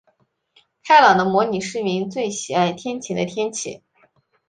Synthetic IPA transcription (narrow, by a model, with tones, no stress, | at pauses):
kʰa˥ɪlɑ˨˩d̪ə˦mwɔ˧˥ni˨˩ʂɻ̩˥˩mi˧˥ŋt͡swe˥˩ɪɕi˨˩a˥˧ɪt̪ʰjɛ˥nt͡ɕʰi˧˩d̪ə̰˦t̪ʰjɛ˥nt͡ɕʰḭ˨˩˦